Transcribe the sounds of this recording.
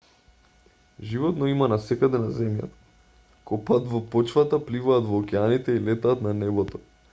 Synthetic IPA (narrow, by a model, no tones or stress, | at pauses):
ʒivɔt̪nɔimanasɛkad̪ɛnazɛmja̰t̪ḁ | kɔpat̪vɔpɔt͡ʃvat̪aplivaːt̪vɔːkɛanit̪ɛilɛt̪aːt̪nanɛbɔt̪ɔ